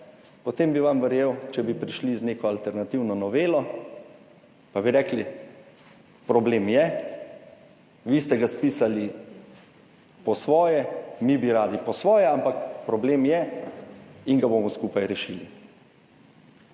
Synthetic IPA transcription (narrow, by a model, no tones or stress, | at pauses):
pɔt̪eːmbiʋamʋɛɾjeːwt͡ʃɛbipɾiʃlizneːkɔalt̪ɛɾnat̪iwnɔnɔʋeːlɔ | pabiɾɛːkli | pɾɔbleːmjɛ | ʋist̪ɛɡaspiːsali | pɔsʋɔːjɛmibiɾaːd̪ipɔsʋɔːjɛampakpɾɔbleːmjɛ | iŋɡaboːmɔskupajɾɛʃili